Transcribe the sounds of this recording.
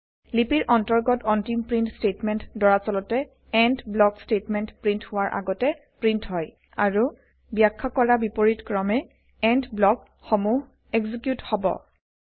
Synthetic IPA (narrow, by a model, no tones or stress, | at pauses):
lipiɹʔɔntɔɹɡɔtɔntimpɹintstetmɛntdɔɹasɔlɔtɛ | ɛndblɔkstetmɛntpɹinthʊwaɹʔa̰ɡɔtɛ | pɹintɦɔj | aɹu | bjakʰːakɔɹabipɔɹitkɹɔmɛ | ɛndblɔk | xɔmuɦ | ɛɡzikjuthɔbɔ̰